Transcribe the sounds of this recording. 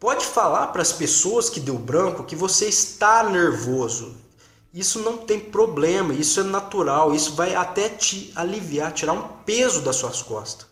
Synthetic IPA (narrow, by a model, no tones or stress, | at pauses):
pɔd͡ʒɪfalaɾpɾɐspesoɐskɪd̪ewbɾɐ̃kʊkɪvoseɪst̪aneɾvozʊ | isʊnɐ̃w̃t̪ẽj̃pɾoblẽmɐisʊɛnat̪uɾawisʊvajat̪ɛt͡ʃɪaliviat͡ʃiɾaɾũpezʊd̪ɐsːuɐskɔ̰st̪ɐ̥s